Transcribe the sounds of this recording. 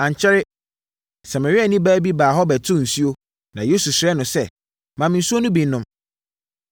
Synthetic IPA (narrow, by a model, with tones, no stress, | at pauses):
ã˨ɲ˨t͡ɕʰɛ˦ɾɪ˦ | sa˨ma˨ɾi˦a˨nĩ˦baː˦bi˦baː˨ɦɔ˦bɛ˨tʰʊ̃˦n̩˨si˦o˦ | nã˨je˦su˨sɾɛ˦nʊ̃˨sɛ˦˨ | mã˨mɪ̃˨n̩˨su˦o˦nʊ̃˦bĩ˨n˦nʊ̃˦m